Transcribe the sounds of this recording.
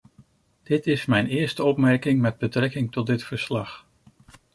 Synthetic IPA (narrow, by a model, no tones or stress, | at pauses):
d̥ɪtɪsmɛjnɪːɹstəɔpmɛɹkɪŋmɛd̚bətrɛkɪŋtɔt̚dɪtfəɹslɑχ